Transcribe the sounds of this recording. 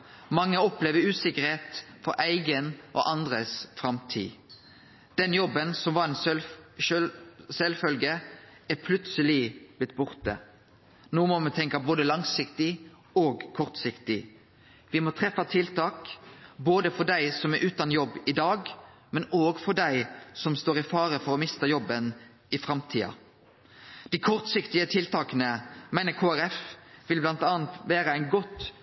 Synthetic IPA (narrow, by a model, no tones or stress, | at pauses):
mɑŋːəɔpleːʋəɾʉːsɪkəɾheːt̪fɔɾʔæɪɡənʔɔ̰ʔɑnd̪ʁəsfɾɑmt̪ʰḭː | d̪̥ɛnjɔbːənsɔmʋɑɾɛnslʃølsɛlfœlɡəæpʰlʉt̪səlɪb̥lɪt̪̚ːbʊʁt̪ə̰ | noːmɔmɛt̪ʰɛŋkɑboːd̪əlɑŋsɪkt̪ɪ | oːɡkʰɔʁt̪sɪkt̪ɪ | ʋɪmɔt̪ʰʁɛfːɑt̪ʰɪlt̪ʰɑːkboːd̪əfɔʁɖ̪æɪsɔmɛɾʔʉːt̪ɑnjɔbːɪd̪ɑːɡmɛnoːɡfɔʁɖ̪æɪsɔmst̪oːɾɪfɑːɾəfɔɾɔmɪst̪əjɔbːən | ɪfɾɑmt̪ʰiːɑ̰ | d̪̥æɪkʰɔʁt̪sɪkt̪ɪət̪ʰɪlt̪ʰɑːkənəmæɪnəkʰoːæɾɛfʋɪlblɑnt̪ɑːnt̪ʋæːɾəæɪnɡɔt̪ː